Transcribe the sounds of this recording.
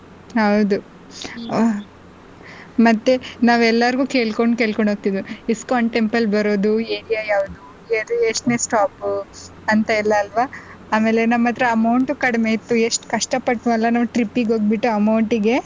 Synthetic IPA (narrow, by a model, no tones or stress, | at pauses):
ɦɐwd̪u | mɐt̪ːe̞naːʋɛlːɐɾɡuːkeːɭkoɳɖkeːɭkoɳɖʱoːɡ̚t̪id̪iskaːɳʈempɐlbɐɾo̞ːd̪ueːɽijaːjaːʋud̪u | eɾeʂʈneːsʈaːp | ɐnt̪ɐilːɐːlʋa | aːmeːlenɐmːɐt̪ːɾeɐmɐwɳʈukɐɽmeit̪ːueʂʈkɐʂʈɐpɐʈːuɐlːɐnɐːʋʈɾipːiɡɦoːɡ̚biʈːuɐmɐwɳʈiɡe̞